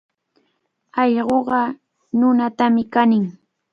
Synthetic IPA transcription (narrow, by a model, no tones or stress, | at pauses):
ɑʎɢoɢɑ | nʊnat̪amɪkanɪŋ